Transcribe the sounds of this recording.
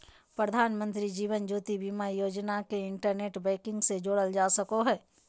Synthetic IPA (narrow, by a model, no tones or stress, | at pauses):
pɾəd̪ʱaːnmə̃nt̪ɾid͡ʒiːʋənd͡ʒoːt̪ibimajoːd͡ʒnakeɪɳʈəɾneːʈbɛːkɪ̃ŋɡsed͡ʒoːɽəld͡ʒaːsɐkoɦɛː